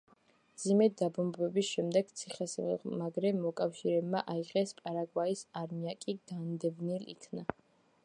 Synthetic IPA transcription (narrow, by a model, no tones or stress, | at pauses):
md̪zimɛd̪abɔmbwɛbisʃɛmd̪ɛɡ̥t̪sʰiχɛsmaɡɾɛmɔkʼafʃiɾɛbmaʔaiʁɛspʼaɾaɡwaisaɾmiakʼiɡ̥and̪ɛvnilḭkʰna